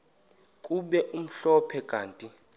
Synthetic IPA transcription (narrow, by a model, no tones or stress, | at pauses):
kʼuɓɛʔum̩ɬɔpʰɛɡ̥ʱaːntʼi